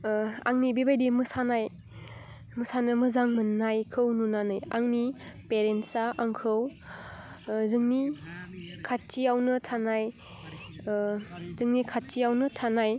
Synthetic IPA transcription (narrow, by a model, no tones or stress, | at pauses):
a̰ŋnibibajdimɯsanaj | mɯsanɯmɯzaŋmɯnːajkʰɯwnunanɯjaŋnipeɾensaʔaŋkʰɯw | zɯŋni | kʰatʰːijawnɯtʰanaj | zɯŋnikʰaijawnɯtʰanaj